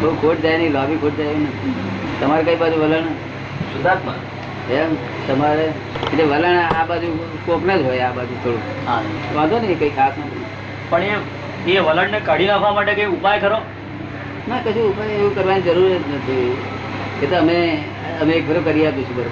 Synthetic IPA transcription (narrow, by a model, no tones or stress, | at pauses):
bəukʰoʈd͡ʒajnilɔbikʰoʈ̚d͡ʒajunət̪əmaɾekəibad͡ʒuʋələɳə | ʃʊd̪at̪mã̰ | em | t̪əmaɾe | eeʋələɳabad͡ʒu | koknəd͡ʒɦojabad͡ʒut̪ʰoɽũ | ɦãʋãd̪onəɦĩkəikʰasnət̪ʰina | pəɳe | eʋələɳnekəɽinakʰamaʈekə̃ĩupajkəɾo | nakət͡ʃʰũːpajeʋũkəɾʋanid͡ʒəɾuɾənət̪ʰi | ket̪oəme | əmeːk̚bʱəɾokəɾijaput͡ʃʰubəɾ